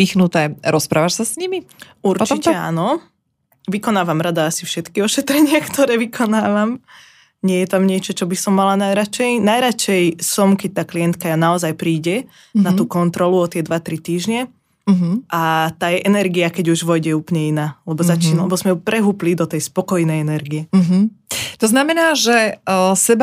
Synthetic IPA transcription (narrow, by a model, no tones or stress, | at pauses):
ixnut̪ɛːɾɔspɾʔaːʋaʃsasɲimi | uɾt͡ʃicɛa̰nɔ | ʋikɔnaːʋamɾad̪aasifʃɛt̪kiɔʃɛt̪ɾɛɲɪakt̪ʰɔɾɛːʋikʰɔnaːʋam | ɲɪɛjɛt̪amɲɪɛt͡ʃɔt͡ʃɔbisɔmːalanajɾat͡ʃɛjnajɾat͡ʃɛjsɔmkɛc̚t̪aːklijɛnt̪kajanaɔzajpɾiːɟɛ | nat̪uːkɔnt̪ɾɔluɔt̪ɪɛd̪ʋat̪ɾit̪iːʒɲɛ | ɦʔat̪aːjɛʔɛnɛɾɡiakɛɟuʒʋɔjɟɛuːplɲɛinaːlɛbɔzat͡ʃiːnalɛbɔzmɛpɾʔɛɦuːplid̪ɔt̪ɛjspɔkɔjnɛjɛnɛɾɡiɛɦt̪ɔznamɛnaːʒɛsɛba